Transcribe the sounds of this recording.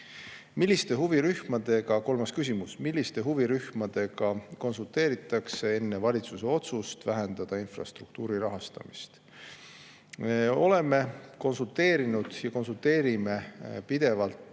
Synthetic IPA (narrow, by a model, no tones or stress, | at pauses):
milʲːist̪e̞ɦuviɾyhmɑd̪̥e̞ɡ̥ɑko̞lmɑskys̬ʲimusmilʲːist̪e̞ɦuviɾyhmɑd̪̥e̞ɡɑko̞nsult̪ˑe̞ːɾit̪ːˑɑksee̞nːe̞vɑlʲit̪suse̞o̞t̪sust̪væɦe̞nd̪ɑd̪̥ɑinfrɑ̰st̪rukt̪uːɾirɑɦɑst̪ɑ̰mist̪ | eo̞le̞me̞ko̞nsult̪ːˑe̞ːɾinud̪̥jɑko̞nsult̪ːe̞ːɾime̞pid̪̥e̞vɑlt̪